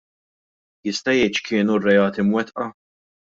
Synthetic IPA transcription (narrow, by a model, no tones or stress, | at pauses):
jɪst̪ɐjɛjt͡ʃkʰɪːnurːɛjɐːt̪imwɛt̪ʔɐ